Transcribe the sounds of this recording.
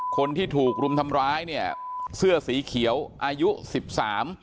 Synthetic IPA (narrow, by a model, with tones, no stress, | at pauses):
kʰo˧nt̪ʰiː˥˩t̪ʰuː˨˩k̚ɾu˧mt̪ʰa˧mɾaː˦˥jni˥˩ɐəsɯ˥˩ɐsiː˩˦kʰi˩˦əwʔaː˧ju˦˥si˨˩p̚saː˩˦m